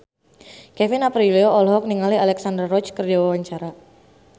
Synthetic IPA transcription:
kɛfɪnapɾiliɔɔlɦɔk̚niŋalialɛksandərːɔt͡ʃkərd͡ʒawawaɲt͡ʃaɾa

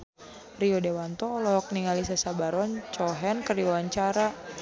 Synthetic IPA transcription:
riɔdewant̪ɔːlɔɦɔk̚niŋalis̬asabaɾɔnt͡ʃɔɦɛnkəriwawaɲt͡ʃaɾa

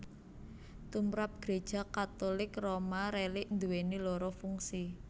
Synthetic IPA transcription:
t̪umɾap̚ɡ̥ɾed̥ʒ̥a̤kat̪olɪkromaɾelɪʔnd̪uwenilɔɾɔfuŋsi

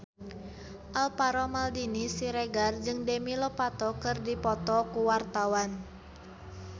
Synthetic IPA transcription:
ʔalpaɾɔmaldinisiɾɛɡard͡ʒɨŋdemilɔpat̪ɔkɨrdipɔt̪ɔkuwart̪awan

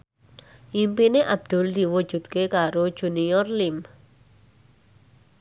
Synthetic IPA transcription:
impineʔab̚d̪̥ʊ̤ld̪̥i̤wud̥ʒ̥ṳd̪̚kekaɾod̥ʒ̥ṳniɔrlim

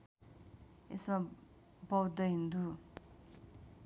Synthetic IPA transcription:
esma | bʌwd̪ʌɦind̪u

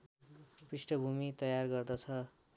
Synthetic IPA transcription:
pisʈʌbʱumit̪ʌjarɡʌrd̪ʌt͡sʰʌ

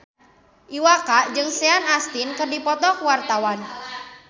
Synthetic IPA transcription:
ʔiwakaʔd͡ʒɨŋseanast̪inkərdipɔt̪ɔkəwart̪awan

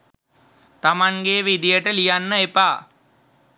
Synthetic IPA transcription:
t̪amaŋɡeʋid̪ijəʈəlijanːəepaː

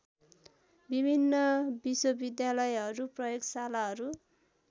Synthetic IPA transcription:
bibʱinːʌbiswʌbid̪jalʌjɦʌɾuprʌjoɡsalaɦʌɾu

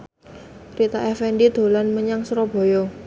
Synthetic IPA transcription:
ɾit̪aʔɛfɛnɖid̪̥o̤lanməɲaŋsɾɔb̥o̤jɔ

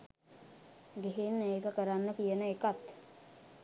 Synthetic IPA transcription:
ɡeɦenːəeːkəkəɾanːəkijənəekat̪

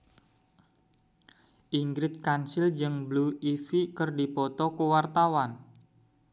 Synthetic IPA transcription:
ʔiŋɡɾɪt̪̚kansɪld͡ʒɨŋbluifikərdipɔt̪ɔkəwart̪awan

